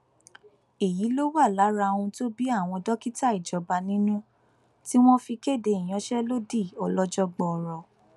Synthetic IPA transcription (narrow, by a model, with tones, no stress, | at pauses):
e˨ji˨˦lo˦wa˦˨la˨˦ɾa˧ũ˧to˦bi˦a˦˨w̃ɔ̃˧dɔ˦ki˦ta˦i˨d͡ʒɔ˨ba˧nĩ˦nũ˦ | ti˦w̃ɔ̃˦fi˧ke˦˨de˧i˨j̃ɔ̃˨˦ʃɛ˦lo˦di˦˨ɔ˧lɔ˦d͡ʒɔ˦ɡ͡bɔ˧˨ɾɔ˨